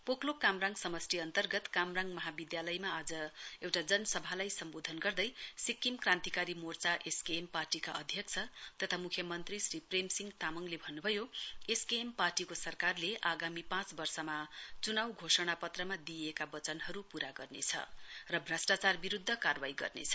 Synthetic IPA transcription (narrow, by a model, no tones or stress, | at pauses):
poklokamraŋsʌmʌsʈiʌnt̪ʌrɡʌt̪kamraŋɡmʌɦabid̪jalʌjmaːd͡zʌewʈad͡zʌnʌsʌbʱalajsʌmbod̪ʱʌnɡʌrd̪ʌjsikːimkrãnt̪ikaɾimort͡saʔeskemparʈikaʔʌd̪ʱjʌkt͡sʰʌt̪ʌt̪ʰamukʰjʌmʌnt̪risɾipremsiŋɡt̪amʌŋlebʱʌnːubʱʌjoeskemparʈikosʌrkarleʔaɡamipãt͡sbʌrsʌmat͡sunawɡʱosʌɽ̃apʌt̪rʌmad̪iekabʌt͡sʌnɦʌɾupuɾaɡʌrnḛt͡sʰʌ̰rʌbʱrasʈat͡sarbiɾud̪ʱːʌkarwajɡʌ̰rnḛt͡sʰʌ̥